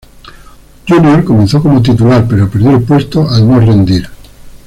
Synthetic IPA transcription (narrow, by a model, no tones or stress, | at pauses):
d͡ʒunjoɾkomẽnθokomot̪̬it̪̬ulaɾpeɾopeɾðjoelpwest̪oʔalnorẽnd̪iɾ